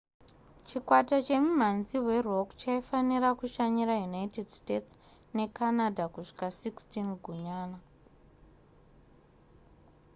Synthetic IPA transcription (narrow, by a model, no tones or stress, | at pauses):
t͡ʃikwatat͡ʃe̞mum̤anziwe̞rokt͡ʃaifaniɾakuʃaɲiɾajunajitedstets | ne̞kanadʱakuʂi̥kasikstinɡʱuɲaːna